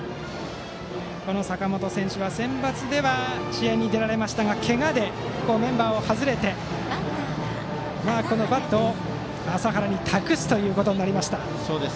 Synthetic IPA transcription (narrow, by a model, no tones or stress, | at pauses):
ko̞no̞sakamo̞t̪o̞sẽ̞ɰ̃ɕɨβasẽ̞mbat͡sɨd̪e̞βaɕiaɲ̟id̪e̞ɾaɾe̞maɕi̥t̪aɡakʰe̞ŋad̪e̞ko̞ːmẽ̞mbaːo̞hazɨɾe̞t̪e̞ | maːko̞no̞bat̪ːoː | asaɦaɾaɲ̟it̪ʰakɯ̟sɨ̥t̪o̞jɯ̟ːko̞t̪o̞ɲ̟inaɾʲimaɕi̥t̪a | soːd̪es